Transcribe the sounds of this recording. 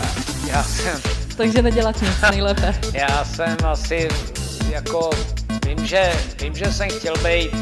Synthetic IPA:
jaːsɛmt̪aɡʒɛnɛɟɛlat̪ɲɪt͡snɛjlɛːpɛjaːsɛmasɪjakovɪmʒɛvɪmʒɛsɛmxcɛlbɛjt̪

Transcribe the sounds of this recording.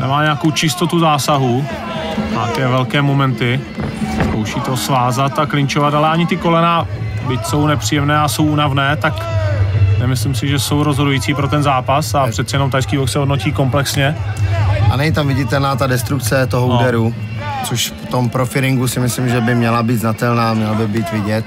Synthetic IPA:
nɛmaːɲɛakowt͡ʃɪst̪o̞t̪uzaːsaɦu | ɲaːkɛːvɛlkɛːmo̞mɛnt̪ɪ | skowʃiːt̪o̞svaːzat̪aklɪɲt͡ʃovat̪alɛaɲɪt̪ɪko̞lɛnaː | bɪcso̞wnɛpr̥iːjɛmnɛːaso̞wʔuːnavnɛːt̪ak | nɛmɪslɪmsɪʒɛso̞wɾozɦodujiːt͡siːpɾo̞t̪ɛnzaːpasapr̝̥ɛt̪t͡sɛjɛno̞mt̪ajskiːvoksɛɦodnociːko̞mplɛksɲɛ | ʔanɛɲɪt̪amvɪɟɪt̪ɛlnaːt̪adɛst̪ɾuk̚t͡sɛt̪oɦʔuːdɛɾu | t͡soʃpot̪ompɾofɪɾɪŋɡusɪmɪslɪmʒɛbɪmɲɛlabiːt̪d̪znat̪ɛlnaːmɲɛlabɪbiːt̪vɪɟɛt̪

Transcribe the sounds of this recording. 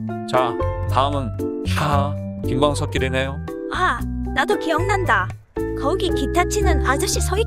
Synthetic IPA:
t͡ɕataɯmɯna | kiŋɡwaŋsʰʌk͈iɾinejo | a | nadokijʌŋnanda | kʌuɡikitʰat͡ɕʰinɯnad͡ʑʌɕ͈isʰʌi

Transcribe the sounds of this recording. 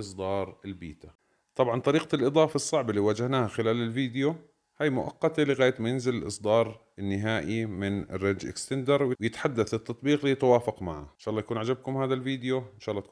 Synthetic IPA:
ʔɨsˤd̪ɑːɾˤɪlbḭːt̪a | t̪ˤɑbʕɑnt̪ˤɑɾiːqalʔɨd̪ˤɑːfɑsˤːɑʕbɪlːiwaːd͡ʒahnaːhaxɪlaːlɪlviːd̪ɪjo | haːjmʊʔɑ̰qːɑt̪alɪɣaːjat̪majɪnzɪlɪlʔɨsˤd̪ɑːɾˤ | ɪnːɪɦaːʔimɪnɪ̰rːɑd͡ʒʔɪ̰kst̪ɪnd̪ɑɾˤwjwjɪt̪ħad̪ːaθɪt̪ːɑt̪ˤbiːqlijt̪awaːfɑqmaʕa̰ʔɪnʃaːʔlˤːɑjakuːnʕad͡ʒab̚kʊmhaːðalviːd̪juʔɪnʃaːʔlːɑːt̪

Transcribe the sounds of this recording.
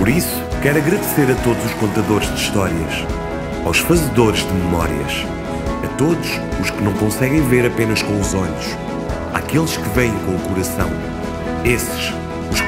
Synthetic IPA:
pɔɾisu̥kɛɾɐɣɾɐðseɾɐt̪oðuzuʃkõnt̪ɐðoɾʒd̪iʃt̪ɔɾiɐ̰ʃ | awʃfɐzɨðoɾʒd̪ɨmɨmɔ̰ɾiɐ̰ʃ | ɐt̪oðuʃ | uʃkɨnɐ̃w̃kõsɛɣɐ̃j̃veɾɐpenɐʃkõuzɔʎuʃ | a̰kelˠʃkɨvɛ̃j̃kõukuɾɐsɐ̰̃w̃ | esɨ̥ʃ | uʃ

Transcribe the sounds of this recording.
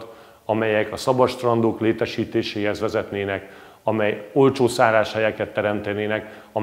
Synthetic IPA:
t̪ | ɒmɛjɛkɒsɒbɒʃt̪rɒnd̪oːkleːt̪ɛʃiːt̪eːʃeːɦɛzvɛzɛt̪neːnɛk | ɒmɛjolt͡ʃoːsaːɾaːʃhɛjɛkɛt̪ːɛɾɛmt̪ɛneːnɛk | ɒ

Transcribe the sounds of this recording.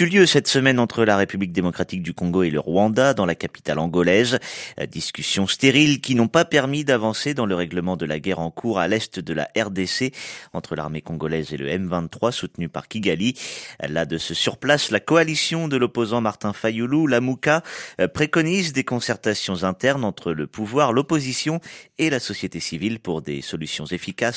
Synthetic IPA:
yljøsɛt̪səmɛnɑ̃t̪χəlaʁepyblik̚d̪emɔkχat̪ik̚d̪ykɔ̃ɡoelə̰ʁwɑ̃d̪ad̪ɑ̃lakapi̥t̪alɑ̃ɡɔlɛzd̪iskʲysjɔ̃st̪eʁilkʲinɔ̃papɛʁmid̪avɑ̃sed̪ɑ̃ləʁɛɡləmɑ̃d̪əlaɡʲɛʁɑ̃kʰuʁalɛst̪d̪əla̰ʔɛʁd̪eseɑ̃t̪χəla̰ʁmekɔ̃ɡɔlɛzelə̰ɛmvɛ̃nχwasut̪nypaʁkʲiɡalila̰d̪əsəsyʁplaslakɔalisjɔ̃d̪əlɔpozɑ̃maʁt̪ɛ̃fajululamukapχekɔnizd̪ekɔ̃sɛʁt̪asjɔ̃zɛ̃t̪ɛʁnɑ̃t̪χələpuvwaʁlɔpozisjɔ̃elasɔsjet̪esivilpuʁd̪ḛsɔlysjɔ̃zefikas

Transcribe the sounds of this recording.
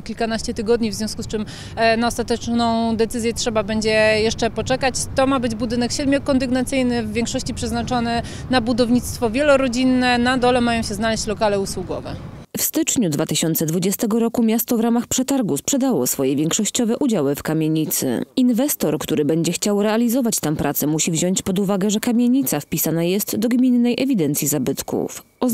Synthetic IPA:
kʲilkanaɕt͡ɕɛt̪ɘɡɔd̪ɲivzvjɔ̃skust͡ʂɘm | naɔst̪at̪ɛt͡ʂnɔ̃w̃d̪ɛt̪sɘzʲjɛtʂɛbabɛɲd͡ʑɛjɛʂt͡ʂɛpɔt͡ʂɛkat͡ɕt̪ɔmabɘd͡ʑbud̪ɘnɛkɕɛd̪mjɔkːɔnd̪ɘɡnat̪sɘjnɘvːʲjeŋkʂɔɕt͡ɕipʂɛznat͡ʂɔnɛ | nabud̪ɔvɲit̪st̪fɔvʲjɛlɔɾɔd͡ʑinːɛnad̪ɔlɛmajɔ̃w̃ɕɛznalɛɕt͡ɕlɔkalɛuswuɡɔvɛ̰ | fst̪ɘt͡ʂɲud̪vat̪ɘɕɔnt̪sɛd̪vud͡ʑɛst̪ɛɡɔɾɔkumʲjast̪ɔvɾamaxpʂɛt̪aɾɡuspʂɛd̪awɔ̰sfɔjɛvʲjɛŋkʂɔɕt͡ɕɔvɛʔud͡ʑawɘfkamʲjeɲit̪sɘ̰invɛst̪ɔɾkt̪uɾɘbɛɲd͡ʑɛxt͡ɕawɾɛalʲizɔvat͡ɕt̪ampɾʔat̪sɛmuɕivʑɔɲt͡ɕpɔd̪uvaɡɛʐɛkamʲjeɲit̪safpʲisanajɛst̪d̪ɔɡmʲinːɛjʔɛvʲid̪ɛnt̪sʲjizabɘt̪kṵf | ɔ

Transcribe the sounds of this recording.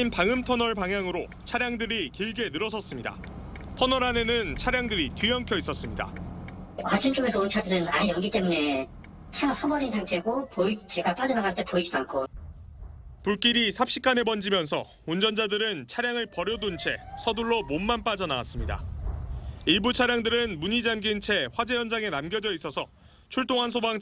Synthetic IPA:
inpaŋɯmtʰʌnʌɭpaŋɦjaŋɯɾo | t͡ɕʰaɾjaŋdɯɾikiɭɡe̞nɯɾʌsʰʌs͈ɯmɲida̰ | tʰʌnʌɾane̞nɯnt͡ɕʰaɾjaŋdɯɾitɥijʌŋkʰjʌis͈ʌs͈ɯmɲida̰ | kwat͡ɕʰint͡ɕ͈oɡe̞sʰʌunt͡ɕʰadɯɾɯnaɲijʌŋɡit͈e̞mune̞ | t͡ɕʰeasʰʌbʌɾisʰaŋtʰeɡopoit͡ɕeɡap͈ad͡ʑʌnaɡant͈ʰepoid͡ʑidoankʰo | puɭk͈iɾisʰapɕ͈ik͈ane̞bʌnd͡ʑimjʌnsʰʌ̰ | und͡ʑʌnd͡ʑadɯɾɯnt͡ɕʰaɾjaŋɯɭpʌɾjʌdont͡ɕʰe̞sʰʌduɭːomonmanp͈ad͡ʑʌnawas͈ɯmɲida̰ | iɭbut͡ɕʰaɾjaŋdɯɾɯnmuɲid͡ʑamɡint͡ɕʰe̞ɸwad͡ʑe̞jʌnd͡ʑaŋe̞namɡjʌd͡ʑʌis͈ʌsʰʌ | t͡ɕʰuɭt͈oŋɦansʰobaŋ

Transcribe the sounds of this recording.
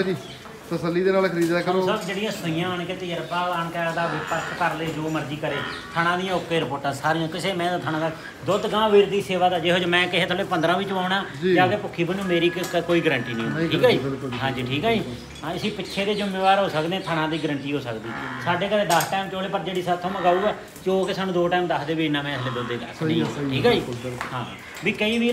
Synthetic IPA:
d͡ʒiː | t̪əsəlːiːd̪eːnaːlkʰəɾiːd̪ɛːksəkd͡ʒeːɽɪjãːsoɪjãːɦonẽkɪt̪ɪjəɾpaːlənkɛːd̪aːʋɪpəɾkʰkəɾleːd͡ʒoːməɾd͡ʒiːkəɾeːt̪ʰəɽ̃ãːd̪ɪjãːʊkːeːɾɪpoːʈãːsaːɾĩjãːkɪseːmɛ̃ːd̪aːt̪ʰañãːd̪aː | d̪ot̪ɡãːʋiːɾd̪iːseːʋaːd̪aːd͡ʒeːɦoːd͡ʒmɛ̃ːkɪɦeːt̪ʰəlːpənd̪ɾãːʋɪt͡ʃbaːʊɳaːd͡ʒd͡ʒaəɡeːpʊkʰːiːbənũːmeːɾiːkkoːiːɡəɾəɳʈiːnĩːiːkaːikɦãːd͡ʒiːʈʰiːkaːiː | ãɪsiːpɪtːʃʰeːd̪eːd͡ʒɪmẽːʋaːɾɦoːsəkd̪ẽːt̪ʰəɽ̃ãːd̪iːɡəɾəɳʈiːɦoːsəkd̪iːsaːɖeːkəɾeːɖasʈaːmt͡ʃoːleːpəɾd͡ʒeːɽiːsət̪ʰːõːməɡaːuːɛː | t͡ʃoːkɪsaːnːũːd̪oːʈaːmd̪əksd̪eːʋiːɪnːãːmɛ̃ːɪsleːd̪ʊd̪eːt̪ːsĩoːʈʰiːkaːiːɦãː | ʋiːkəiːʋiː

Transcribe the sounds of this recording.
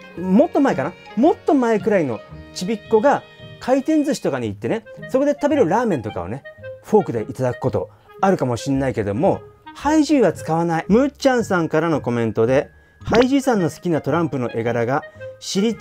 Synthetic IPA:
mo̞t̪ːo̞maekanamo̞t̪ːo̞maekɯ̟ɾaino̞t͡ɕibʲikːo̞ɡakʰait̪ẽ̞nd͡zɨɕi̥t̪o̞kaɲ̟iit̪ːe̞ne̞so̞ko̞d̪et̪abe̞ɾɯ̟ɾaːmẽ̞nt̪o̞ka̰o̰ne̞ɸo̞ːkɯ̟d̪e̞ʔit̪ad̪akɯ̥ko̞t̪o̞̰ | aɾɯ̟kamo̞ɕĩnːaike̞d̪o̞mo̞haiʑɨːɡat͡sɨ̥kaβanaimɯ̟t͡ɕãɰ̃sãŋkaɾano̞ko̞mẽ̞nt̪o̞d̪e̞ | haiʑiːsãnːo̞sɨ̥kʲinat̪o̞ɾãmpɯ̟no̞̰ʔeɡaɾaɡaɕiɾʲit̪

